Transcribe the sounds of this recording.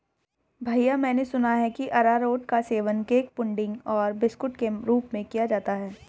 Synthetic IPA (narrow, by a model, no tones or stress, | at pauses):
bʱaːijamɛ̃ːnesʊnaɦɛkiʔɐɾaɾoːʈkaseːʋənkeːk̚pʊ̃ɳɖɪ̃ŋɡɔːɾbɪskʊʈkeɾuːpmẽkijad͡ʒaːt̪aɦɛː